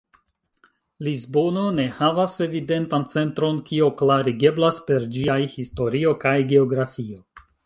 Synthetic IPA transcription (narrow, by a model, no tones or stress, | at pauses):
lizbo̞no̞ne̞havase̞vide̞ntant͡se̞ntɾo̞nkio̞klaɾiɡe̞blaspe̞ɾd͡ʒiajhisto̞ɾio̞kajɡe̞o̞ɡɾafio̞